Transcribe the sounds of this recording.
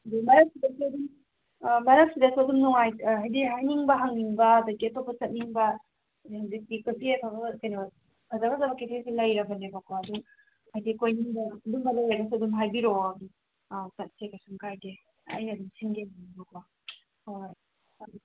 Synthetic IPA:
dumɐɾɐk̚sidɐsiɐdum | mɐɾɐk̚sidɐsiɐdumnuŋajɦajdiɦajniŋbɐɦɐŋniŋbɐdɐɡiɐtopːɐt͡ʃɐt̚niŋbɐ | hazik̚dikesʰiepʰaɡakɐjnɐ | pʰɐzaɡɐzabɐkesʰesilɐjɾɐbɐlebɐkʰwaɐduŋ | hajdikojniŋbɐːdumbalalajɡɐsuɐdumɦajbiɾobi | tɐt̚sekasumkaɾde | a̰jnɐːdumsiŋɡenanibɐkʰwa | hoj

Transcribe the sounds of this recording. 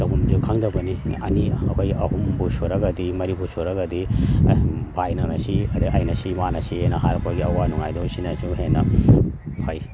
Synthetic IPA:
tɐbumdikʰaŋdɐbɐniɐniɐkʰojʔɐɦumbusoɾɐɡɐdimɐɾibusoɾɐɡɐdi | bʱajnanɐsiɐdɐʔɐjnɐsimanɐsihenɐɦaɾɐpʰɐɡiɐwanuŋajdɔsinɐsuɦenːɐ | hoj

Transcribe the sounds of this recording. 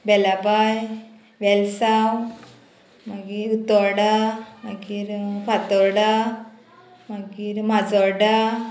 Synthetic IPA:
bɛlapaj | ʋɛlsaw | maɡiɾut̪ɔɾɽamaɡiːɾpat̪ɔɾɽa | maɡiːɾmad͡zɔɾɽa

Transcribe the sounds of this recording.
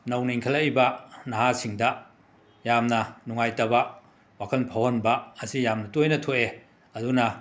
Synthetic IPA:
nɐwniiŋkʰɐlɐjbɐnaɦasiŋdɐ | jamnɐnuŋajtɐbɐ | wakʰɐlpʰawhɐnbɐːsijamnɐtojnɐtʰoʔe | ɐdunɐ

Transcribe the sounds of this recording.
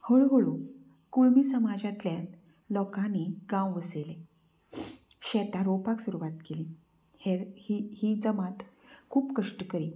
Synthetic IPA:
həɭɦəɭu | kuɭmiːsəmad͡ʑat̪ljãn | lɔkaniɡãwʋəsele | ɕɛt̪ãɾopaksuɾuʋat̪kelĩ | heihid͡zəmãt̪kʰuːpkəʂʈəkəɾi

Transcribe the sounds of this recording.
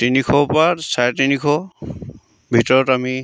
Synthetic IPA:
tinikʰɔpatsajɛtinikʰɔ | bʱitɔɹɔtami

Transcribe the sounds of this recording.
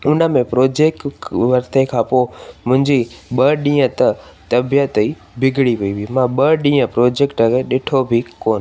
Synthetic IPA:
ʊnə̆mẽpɾoːd͡ʑeːk̚ʈʋɐɾt̪ekʰãːpoːmʊ̃ɦɪ̃ɲd͡ʑiɓəɗĩːə̃t̪ɐt̪ɐbijət̪i | bʱɪɡʱɽipɐiʋimãɓəɗĩːə̃pɾoːd͡ʑeːkʈəkeɗɪʈʰobʱikoːn

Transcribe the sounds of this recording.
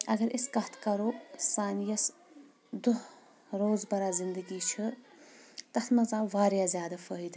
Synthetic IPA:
ɐɡɐɾʔɪskɐt̪ʰkɐɾoːsaːnijɐs | d̪uɦ | ɾoːzbɐɾaːzɪnd̪əɡiːt͡ʃʰɨ | t̪ɐt̪ʰmɐzaːʋaːɾjaːzʲjaːd̪ɐfəːɦid̪

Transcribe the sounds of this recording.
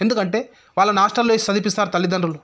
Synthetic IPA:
e̞nd̪ukɐɳʈe̞ː | ʋaːɭːɐnaːʂʈɐlːoesisɐd̪ʱipist̪aːɾut̪ɐlːid̪ɐnɾulu

